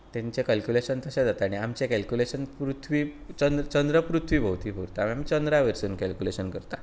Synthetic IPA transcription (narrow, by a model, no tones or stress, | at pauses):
t̪ɛ̃ɲt͡ɕekɛlkjuleɕənt̪əɕẽd͡zat̪aːɽ̃iamt͡ɕekɛlkuleɕənpɾut̪ʰʋiː | t͡ɕənd̪ət͡ɕənd̪ɾəpɾut̪ʰʋiːbʱəwt̪iːbʱuɾt̪amiamiːt͡ɕənd̪ɾaʋeɾsuːnkɛlkuleɕənkəɾt̪a